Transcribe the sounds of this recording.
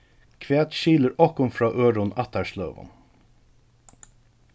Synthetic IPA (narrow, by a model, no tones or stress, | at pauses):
kʰʋeːt̪ʃiːləɾɔhkʊmfɹɑːʔøːɾʊnæt̪æʂlœːʋə̰n